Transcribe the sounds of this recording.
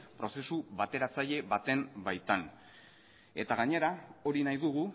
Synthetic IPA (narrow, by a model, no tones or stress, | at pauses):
pɾo̞se̞suβat̪e̞ɾat͡saʎe̞βat̪e̞mbajt̪an | e̞t̪aɣ̞aɲe̞ɾao̞ɾinajðuɣ̞u